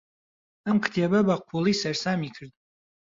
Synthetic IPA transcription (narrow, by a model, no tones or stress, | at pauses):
amkʰt̪ʰiababaq̚ʷʰulˠisɐrsaːmikʰɨrt̪ʼ